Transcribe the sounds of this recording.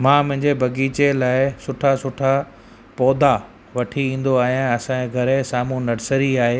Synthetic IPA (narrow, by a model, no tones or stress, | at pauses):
mãːmʊ̃ɦɪ̃ɲd͡ʑebʱɐɡiːt͡ɕelaːɪsʊʈʰasʊʈʰa | pɔːd̪a | ʋɐʈʰiĩːn̆d̪oaːɦiãɐsãẽɡʱɐɾesaːmũnɐɾsəɾiaːɦeː